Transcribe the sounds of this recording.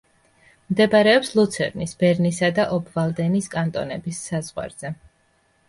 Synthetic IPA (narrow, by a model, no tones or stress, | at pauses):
md̪ɛbaɾɛɔpslˠut̪sʰɛ̰ɾnisbɛɾnisad̪aʔɔbvalˠd̪ɛniskʼant̪ʼɔ̰nɛbisːazʁwa̰ɾz̥ɛ